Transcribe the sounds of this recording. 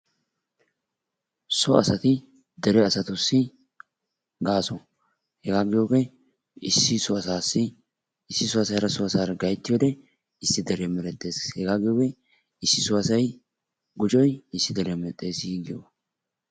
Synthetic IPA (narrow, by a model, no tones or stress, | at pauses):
sɔɐsɐt̪ɪ | d̪ɛɾɛɐsɐt̪ʊsːɪ | ɡaːsɔ | hɛɡaːɡɪjoːɡɛ | ɪsːɪsɔɐsaːsːɪ | ɪsːɪsʊɐsɐjɾɐsɔɐsaːɾɐɡɐjt̪ːɪjoːd̪ɛ | ɪsːɪd̪ɛɾɛmɛɾɛt̪ʼːe̞ːshɛɡaːɡɪjoːɡɛ | ɪsːɪsʊɐsɐj | ɡʊt͡ʃʼɔjɪsːɪd̪ɛɾɛmɛt̪ʼːe̞ːsiɡɪjo̰